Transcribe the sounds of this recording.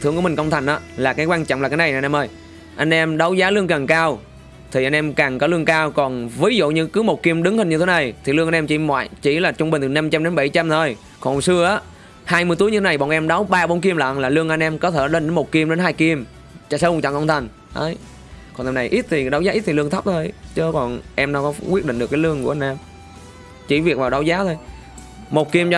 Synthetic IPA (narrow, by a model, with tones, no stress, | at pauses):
t̪ɨ˧˩kï˨˩ŋ̟kə˧wŋ͡mt̪ʰa˨˩ŋ̟ʔaː˨˦laː˨˩kaː˨˦jkwaː˧nt͡ɕɔ̰˧˨ŋ͡mmaː˨˩kaː˨˦jna˨˩jʔa˨˧nʔɛ˧mʔəː˧j | ʔa˧jŋ̟ʔɛ˧mɗə˨˦wzaː˨˦lɨ˧əŋka˨˩ŋkaː˧w | t̪ʰi˨˩ʔa˧ŋnʔɛ˧mkaː˨˩ŋkɔ˨˦lɨ˧əŋkaː˧wkɔ˨˩nvi˨˦zṵ˧˨ɲɨ˧kɨ˨˦mo˨˩t̚ki˧əmɗɨ˨˦ŋhi˨˩ŋɲɨ˧t̪ʰe˨˦na˨˩jt̪ʰi˨˩lɨ˧əŋa˧nʔɛ˧mt͡ɕi˧˩mwa̰ː˧˨jt͡ɕḭ˧˩laː˨˩t͡ɕʊ˧ŋ͡mɓi˨˩ŋ̟ʰɨ˨˩na˧mt͡ɕa˧mɗe˨˦nɓa˧˩jt͡ɕa˧mt̪ʰo˧j | kɔ˨˩sɨ˧əʔaː˨˦ | haː˧jmɨ˧əjt̪u˨˦əjɲɨ˧t̪ʰe˦na˨˩jɓɔ̰˨˩nʔɛ˧mɗa˨˦wɓaː˧ɓo˨˧˦nk̬i˧əmla̰ː˧˨nlaː˨˩lɨ˧əŋʔa˧nʔɛ˧mkɔ˨˦t̪ʰe˧˩ɗe˧˦n˦mo˨˩t̚ki˧əmɗe˨˦nhaː˧jki˧əm | t͡ɕst͡ɕa̰˧˨ŋkɔ˧wŋ͡mt̪ʰa˨˩ŋ̟ | ʔə̰ː˨˦j | kɔ˨˩nt̪ʰɛ˧na˨˩jʔi˦˥t̚t̪ʰi˨˩ɗɔ˨˦wzaː˨˦ʔi˦˥t̚t̪ʰi˨lɨ˧əŋt̪ʰə˦˥p̚t̪ʰo˧jt͡ɕəː˧˦kɔ˨˩nʔɛ˧mnɔ˨˧˦kɔ˨˦kwi˦˥t̚ɗḭ˧˨ŋ̟ɗəkːaː˨˦lɨ˧əŋku˧˩əa˧nʔɛ˧m | t͡ɕi˧˩vi˨˩ək̚vaː˨˩wɗa˨˦wzaː˨˦t̪ʰo˧j | mo˨˩t̚ki˧mt͡ɕɔ˧